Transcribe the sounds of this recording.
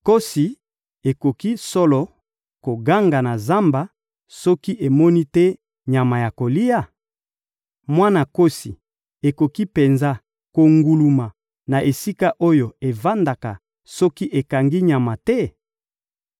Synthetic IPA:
ko˦si˨ | e˨ko˨ki˦sɔ˦lɔ˨ | ko˨ɡa˦ŋɡa˨na˨za˦mba˨ | sɔ˦ki˦ʔe˨mɔ˦ni˦tɛ˦ | ɲa˨ma˨ja˨ko˨li˦ja˦ | mwa˦na˨ko˦si˨ | e˨ko˨ki˦pe˨nza˦ | ko˨ŋɡu˨lu˨ma˨ | na˨ʔe˨si˦ka˦ʔo˦jo˨e˨va˦nda˨ka̰˨ | sɔ˦ki˦ʔe˨ka˨ŋɡi˦ɲa˨ma˨tɛ˦

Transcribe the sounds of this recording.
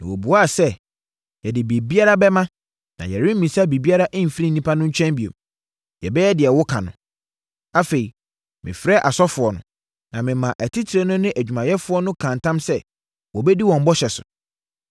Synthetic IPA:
nã˨wɔ˨bu˨a˦˨sɛ˦ | jɛ˨dɪ˨bi˨e˨bi˦a˦ɾa˦bɛ˦mã˦ | nã̰˨jɛ˨ɾɪ̃˦m̩ː˦mĩ˨sa˦˨bi˨bi˦a˦ɾa˦ʔɪ̃˦m̩˨fɾi˦n̩˨nĩ˦pʰa˦nʊ̃˦ɲ̩˦t͡ɕᶣɛ̃˦mbi˨o̰˨m | jɛ̰˨bɛ˦jɛ˦dɪ˨ɛ˨wʊ˦kʰã̰˨nʊ̰̃˨ | a˦fe˨i˨ | mɪ̰̃˨fɾɛ˦ʔa˨sɔ˦fʊ˨ɔ˨nʊ̰̃˨ | nã˨mɪ̃˨mã˨ʔæ˨tʰi˦tʰi˨ɾe˦nʊ̃˦nɪ̃˦ʔæ˨d͡ʑᶣu˨mã˨jɛ˦fʊ˦ɔ˦nʊ̃˦kʰã˨ntʰã˦msɛ˦ | wɔ˨bɛ˦di˦wɔ̃˨m̩˦bɔ˦ɕɛ˨sʊ̰˨

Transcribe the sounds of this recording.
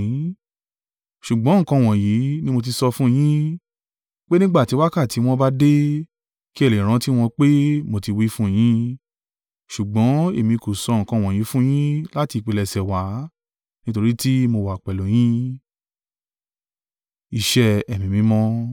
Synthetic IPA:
ʃu˨ɡ͡bɔ̃˨˦ŋ̩˨kã˧˨w̃ɔ̃˨ji˨˦nĩ˦mo˧t̬i˧sɔ˧fũ˦˧j̃ĩ˦ | k͡pe˦nĩ˦ɡ͡ba˦˨ti˨˦wa˦ka˦˨ti˨˦w̃ɔ̃˦ba˦de˦ | ki˦ɛ˦˨le˨ɾ̃ã˨˦ti˦w̃ɔ̃˧k͡pe˦mo˧ti˧wi˦fũ˦˨j̃ĩ˦ | ʃu˨ɡ͡bɔ̃˨˦e˦˨mĩ˧ko˨sɔ˧ŋ̩˨kã˧w̃ɔ̃˨ji˨˦fũ˦j̃ĩ˦la˦ti˧k͡pe˧lɛ˧sɛ˨wa˨˦ | nĩ˦to˧ɾi˦ti˦mo˧wa˨k͡pɛ˨lo˨˦j̃ĩ˦ | i˧ʃɛ˦ɛ˨mĩ˨mĩ˨˦mɔ̃˦

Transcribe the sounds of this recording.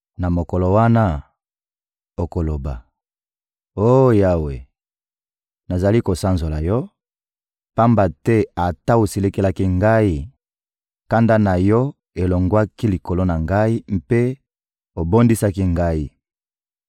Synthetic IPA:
na˨mo˨ko˨lo˨wa˦na˦ | o˨ko˨lo˨ba̰˨ | o˦ja˦we˨ | na˨za˨li˦ko˨sa˦nzo˨la˨jɔ˦ | pa˦mba˨tɛ˦a˨ta˦o˨si˨le˦ke˦la˦ki˦ŋɡa˦i˦ | ka˦nda˦na˨jɔ˦ | e˨lo˨ŋɡwa˦ki˦li˨ko˨lo˦na˨ŋɡa˦i˦m̩˦pe˦ | o˨bo˦ndi˦sa˦ki˦ŋɡa˦i˦

